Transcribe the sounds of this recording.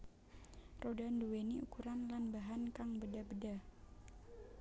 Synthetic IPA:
rodanduweniukuɾanlanbaɦankaŋbədabəda

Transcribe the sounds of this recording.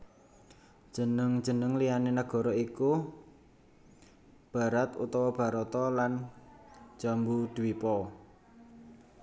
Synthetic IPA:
d̥ʒ̥ə̤nəŋ̥d͡ʒ̥ə̤nəŋlijanenaɡ̥ɔ̤ɾɔiku | b̥a̤ɾat̪ṵt̪ɔwɔb̥a̤ɾɔt̪ɔlan̥ | d͡ʒ̥a̤mbud̪̥wipɔ

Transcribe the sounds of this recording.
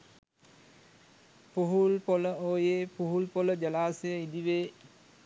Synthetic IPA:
puɦulpoləoːjeːpuɦulpoləd͡ʒəlaːsejəid̪iʋeː

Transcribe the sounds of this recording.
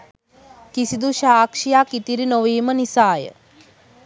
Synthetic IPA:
kisid̪uʃaːkʂijaːkit̪iɾinoʋiːmənisaːjə̰

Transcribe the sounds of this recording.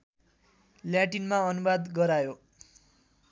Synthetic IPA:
ljaʈinmaʌnubad̪ɡʌɾajo

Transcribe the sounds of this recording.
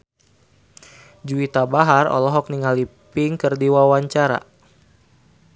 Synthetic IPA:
d͡ʒuit̪abaɦarɔ̰lɔɦɔk̚niŋalipɪŋkərdiwawaɲt͡ʃaɾa̰

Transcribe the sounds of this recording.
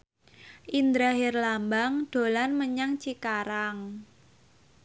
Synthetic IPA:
ʔind̪ɾaɦirlambaŋd̥o̤lanməɲaŋt͡ʃikaɾaŋ

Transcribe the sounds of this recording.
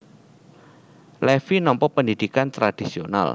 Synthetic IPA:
lɛfinɔmpɔk̚pəndid̥ikant̪ɾad̥isiona̰l

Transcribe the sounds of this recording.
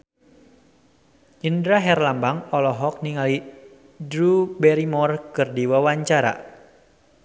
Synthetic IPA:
indɾaɦɛrlambaŋɔlɔɦɔk̚niŋali | dɾubɛɾimɔrkɨrdiwawaɲt͡ʃaɾa̰

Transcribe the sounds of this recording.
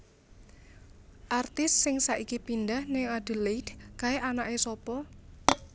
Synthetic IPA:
ʔart̪ɪssɪŋsaʔikipindahnɪŋad̥ə̤leidkaeʔanaʔesɔpɔ

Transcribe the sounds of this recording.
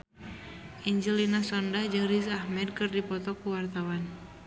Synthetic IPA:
ʔiɲd͡ʒilinasɔndad͡ʒəɾizahmɛd̚kɨrdipɔt̪ɔkuwart̪awan

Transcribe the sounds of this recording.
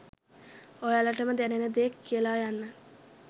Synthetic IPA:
ojaləʈəməd̪ænenəd̪ekːijəlajanːə

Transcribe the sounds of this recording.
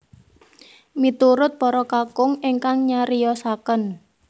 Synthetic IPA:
mit̪uɾʊt̪̚pɔɾɔkakʊŋɪŋkaŋɲaɾijɔsakən

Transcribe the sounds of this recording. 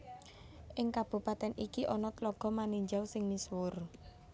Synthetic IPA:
ʔɪŋkab̥ṳpat̪ɛnikiʔɔnɔt̪lɔɡ̥ɔ̤maniɲd͡ʒawsɪŋniswʊr

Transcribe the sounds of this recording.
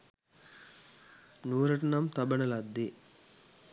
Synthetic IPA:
nuːɾɐʈɐnamt̪abɐnəlad̪ːe

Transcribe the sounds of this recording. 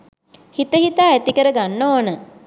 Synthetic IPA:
hit̪əɦit̪aːæt̪ikəɾəɡanːoːnə

